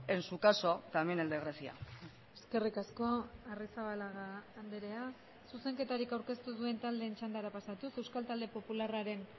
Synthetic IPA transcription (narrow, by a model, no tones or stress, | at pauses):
ensukaso̞t̪ameneld̪eɣɾesia̰ | e̞ske̞rikasko̞arisaβalaɣaːnd̪eɾe̞a | suse̞ŋke̞t̪aɾikawɾke̞st̪uðue̞nt̪ald̪e̞ːnt͡ʃand̪aɾapasat̪use̞wskalt̪ald̪e̞po̞pularaɾe̞n